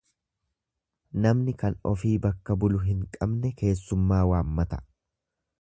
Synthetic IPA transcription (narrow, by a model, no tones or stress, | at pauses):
nɐmnɪkɐnɔfiːbɐkːɐbʊlʊɦɪŋkʼɐbnɛke̞ːsːʊmːaːwaːmːɐt̪ɐ̥